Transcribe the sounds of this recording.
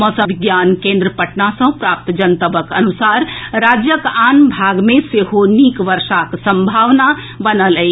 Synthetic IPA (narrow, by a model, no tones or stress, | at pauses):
məsə̃biɡjankẽnd̪ɾəpəʈnasə̃pɾap̚t̪d͡ʒənt̪əbəkə̰nusaɾɾad͡ʒjəkanbʱaɡmeseɦonikʋəɾʃaksə̃mbʱaʋna | bənələj